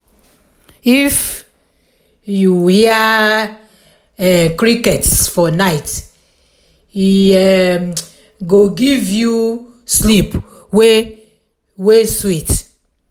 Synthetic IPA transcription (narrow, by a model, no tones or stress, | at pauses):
if | juhia | ɛkɹikɛtsfɔnaɪt | iɛ | ɡoɡivju | slip | we | weswit